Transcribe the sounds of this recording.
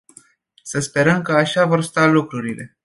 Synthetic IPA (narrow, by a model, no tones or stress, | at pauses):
səspe̞ɾəmkəaʃavo̞rst̪alukɾuɾile̞